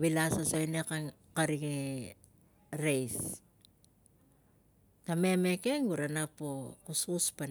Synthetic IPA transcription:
βilasasojneka | kaɾiŋe | ɾejs | tame̞me̞ke̞ŋɡuɾanapokususpan

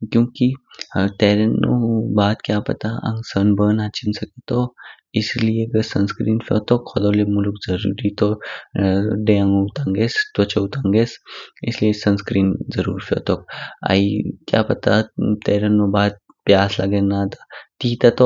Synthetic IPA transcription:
kjõːkit̪eːɾənːo̰baːt̪kjaːpɐ̰t̪aɐ̰̃ŋɡsənbəːnaːt͡ʃɪnsɐket̪o | ɪslieɡəɾsɐnskɾiːnfʰo̰ːt̪okxʰɔd̪oːlemʊlkzɐɾṵːɾit̪o | ɖẽãŋɡut̪ãŋɡest̪wɐt͡ʃɐut̪aŋɡeːsɪsliesɐnskɾiːnzɐɾṵːɾfjo̰ːt̪ok̚a̰ːikja̰ːpɐt̪at̪eːɾənobaːd̪̚ | pjaːslɐɡenaːt̪ḁt̪iːt̪at̪o

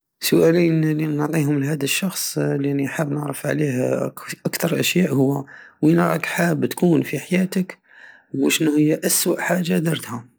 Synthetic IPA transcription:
sʊʔælinliʕt̪ˤiɦʊmlɦæd̪əʃːɑxsˤlnːiħəbːnəʕɾəfʕlihʔakt̪ɑɾˤʔæʃjaʔhʊwːæwinɾˤɑkħabt̪kunfiħajæt̪ək | wuʃənuhəjːæʔæswəʔħaʒːad̪ɑɾˤt̪hʊm

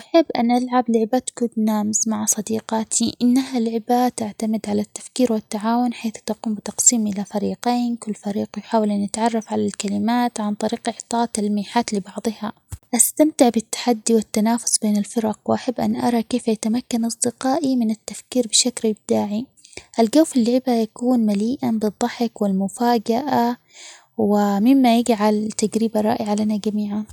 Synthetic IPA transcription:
ʔaħabbːʔanʔalʕablɪʕɪbat̪kʊd̪naːmzmaʕasˤɑd̪iːqɑːt̪ʰiʔɪnːaɦalʕɪbat̪aʕt̪amɪd̪ʕalat̪ːḁfkiːɾwɪt̪ːaʕaːwʊnħeːθt̪aquːmbɪt̪ɑqsˤiːmʔɪlafaɾiːqeːnkʊlːfaɾiːqjħaːwalʔanːɪt̪ʕɑrˤːɑfʕalalkalɪmaːt̪ʕant̪ˤɑɾiːqʔɪʕt̪ˤɑːʔt̪almiːħaːt̪lɪbɑʕðˤɨha | ʔast̪amt̪ɪʕbɪt̪ːḁħad̪ːiwɪt̪ːanaːfʊ̥sˤbeːnɪlfɪɾɑqwʔaħabːʔa̰nʔɑ̰ɾˤɑkeːfjat̪amakːanʔɑsˤd̪ɪqɑːʔimɪnɪt̪ːafkiːɾbɪʃaklɪb̚d̪̥aːʕiʔalɡaːfɪlːɪʕɪbajakuːnmaliːʔabɨd̪ˤːɑħɪkwɪlmʊfaːd͡ʒaʔa | wɪmɪmːajɪɡʕalt̪aɡɾiːbaɾˤɑ̰ːʔɪʕalanaɡamiːʕan

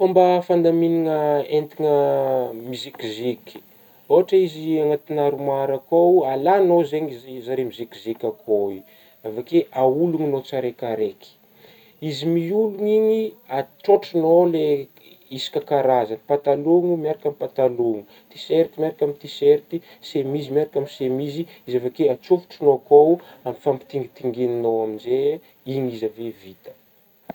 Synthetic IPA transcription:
fombəfand̪aminiŋəent̪iŋəmizikiziki̥ | oɦaʈ͡ʂəiziaŋat̪inaɾumaɾakowalanozeɲizzaɾemizikizikʲakʰoi | avakeʔauluŋinot͡saɾekaɾeki̥ | izimiuluɲiɲiaʈ͡ʂoʈ͡ʂinole | isi̥kʲakaɾazanpat̪aloŋumiaɾakamipat̪aloŋu | t̪iseɾt̪imiaɾakamit̪iseɾt̪i | semizimaɾakamisemizi | izavekeat͡sofu̥ʈ͡ʂinokowamifampi̥t̪iŋɡit̪iŋɡeninowaminze | iɲizavevit̪ə̥

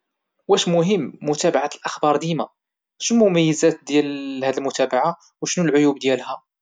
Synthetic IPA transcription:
wæʃmʊɦəmːʊt̪æbaʕat̪əlʔəxbɑɾˤd̪imæ | ʃnmʊmæjːəzæt̪̚d̪jælhæd̪əlmʊt̪æbaʕa | wʃnulʕʊjubd̪jælhæ

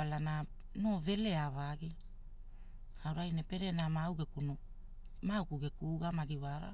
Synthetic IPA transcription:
alana | no̞ve̞le̞avaɡi | awɾajnepe̞ɾe̞namawɡekuno | mawkuɡekuɡamaɡiwaɾa̰

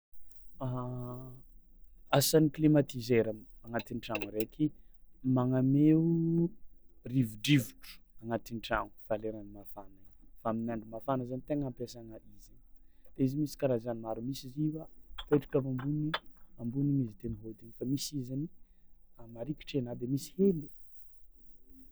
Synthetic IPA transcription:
a | asaniklimat̪izeɾamaŋat̪inʈ͡ʂaŋuɾekʰimaŋameu | rivuɖ͡ʐivuʈ͡ʂu̥aŋat̪inʈ͡ʂaŋu̥faleɾanimafanafaaminaɳɖ͡ʐumafanəzanit̪eŋampesaŋaizanid̪̥eizimisi̥kaɾazanimaɾumisiziwapeʈ͡ʂu̥kamambuniambunimizit̪eniɦot̪inifamisizani | amaɾikʲi̥ʈ͡ʂenad̪emisi̥heli̥

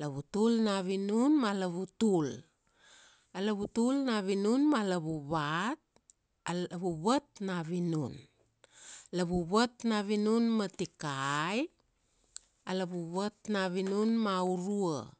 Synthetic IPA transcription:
laβutulnaβinunmalaβutul | alaβutulnaβinunmalaβuβat̚ | βuβat̚naβinun | laβuβatnaβinunmatikaj | alaβuβatnaβinunmauɾua̰

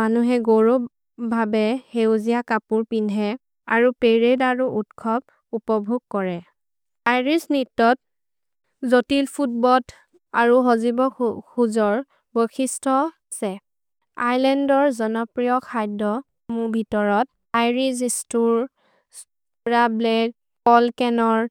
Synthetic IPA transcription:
anuɦɛɡoɹo | bʱabɛhewzijakapuɹpinɛ | a̰ɹupeɹedaɹuʔutkʰɔb̚ | upɔbʱuɡ̚kɔɹɛ | ajɹisnitːɔt̚ | zotilpʰut̚bɔt | aɹuɦozibɔkuzɔɹ | bojkʰistʰɔ | sɛ | ajlɛndɔɹzɔnɔpɹijɔkʰajdɔ | muɹbʱitɔɹɔt | ajɹisistuɹ | s | ɹablɛ | pɔlkɛnɔɹ

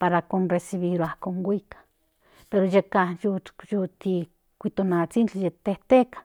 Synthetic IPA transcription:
paɾakonresiβiɾoahkoŋɡʷikḁ | peɾojekajujut̪i | kʷit̪onat͡sint͡ɬijet̪eht̪ekḁ

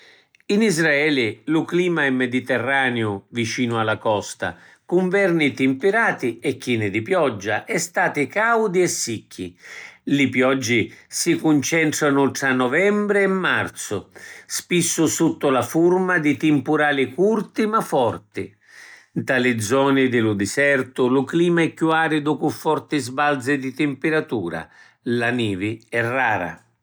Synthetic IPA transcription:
inizɾaɛːlɪlʊkliːmaɛmːɛd̪it̪ɛrːaːneʊvit͡ʃiːnʊalːakɔst̪a̰ | kʊɱvɛrnit̪ɪmpɪɾaːt̪ɪɛkːiːnɪd̪ipjɔd͡ʒːa̰ʔɛst̪aːt̪ɪkawd̪iɛsːikʰːḭlɪpjɔd͡ʒːɪsikunt͡ʃɛnt̪ɾanʊt̪ɾanːɔvɛmbɾɪɛmːart̪sʊspisːʊsut̪ːʊlafurmad̪ɪt̪ɪmpʊɾaːlɪkurt̪ɪmafːɔrt̪ɪ | d̪alɪd̪zɔːnɪd̪ɪlʊd̪ɪsɛrt̪ʊlʊkliːmaɛkːuaːɾɪd̪ɔpʊfɔrt̪ɪzbald̪zɪd̪it̪ɪmpɪɾat̪uːɾa̰ | laniːvɪɛrːaːɾa̰

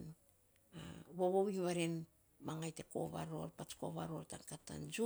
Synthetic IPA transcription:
n | a̰βo̞βowiŋβaɾen | maŋajte̞ko̞̰βa̰ɾo̞̰ɾpat͡ʃko̞̰βaɾo̞ɾtaŋkata̰nd͡ʒu

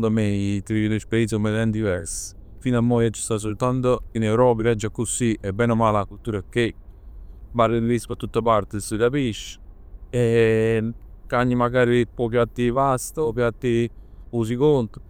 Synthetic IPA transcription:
nd̪amet̪iinespisəmelɛnd̪ivɛɾs | finamːɔjat͡ʃːi̥st̪as̬olt̪ant̪oinɛwɾɔːpilɛd͡ʒːakːusiʔɛbːɛnomaːlakult̪ːuːɾakːe | baɾəɾispat̪ːut̪ːapaɾt̪esuɾapiʃːe | kaɲːimaɡaːɾipɔpjat̪ːivast̪əpjat̪ːius̬ikont̪o̥

